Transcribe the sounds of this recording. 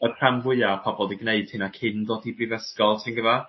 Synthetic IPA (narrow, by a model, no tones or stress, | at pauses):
əramvɪapʰɔbɔlˠdiɡneɨd̥̚hɪnakʰɪnðoːdibrivɛskɔlˠtʰɪnɡəva